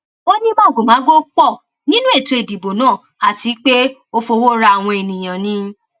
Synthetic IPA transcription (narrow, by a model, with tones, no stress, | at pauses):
o˦nĩ˦mã˦˨ɡo˨mã˨˦ɡo˦k͡pɔ˦˨ | nĩ˦nũ˦e˦˨to˧e˨di˨bo˨nãː˦˨ | a˨ti˨˦k͡pe˦o˧fo˧wo˦ɾa˧a˨w̃ɔ̃˧e˨nĩ˨j̃ã˨nĩ˧˦